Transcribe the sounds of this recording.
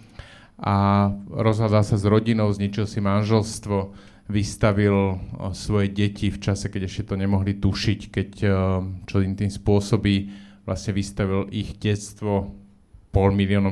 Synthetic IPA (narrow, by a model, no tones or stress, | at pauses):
ʔaɾɔzɦad̪alsazɾɔɟinɔʊzɲit͡ʃilsimanʒɛlst̪ʋɔ | ʋist̪aʋilsʋɔjɛɟɛcʰift͡ʃasɛkɛɟɛʃcɛt̪ɔɲɛmɔɦlit̪uʃickɛc | t͡ʃɔimt̪imspʊɔsɔbiːʋlʔa̰sɲɛʋist̪aʋilʔiɣɟɛt͡st̪ʋɔ | pɔlmiliɔːnɔ